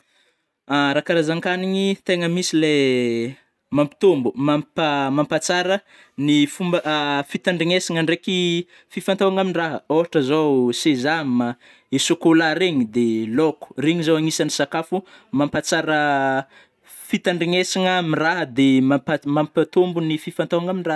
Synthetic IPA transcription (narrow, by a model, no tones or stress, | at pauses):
aɾakaɾazaŋkaniɲit̪eŋəmisile | mampi̥t̪ombumampamampat͡saɾə | nifumbəfit̪aɳɖ͡ʐiŋesiŋəɳɖ͡ʐeki | fifant̪awaŋaminiraɦəoɦaʈ͡ʂəzowsezama | esokolaɾeɲid̪eloku̥reɲizowaŋisanisakafu | mampat͡saɾə | fit̪aɳɖ͡ʐiŋesiŋəmiraɦəd̪emapamampat̪ombunififant̪awaŋaminira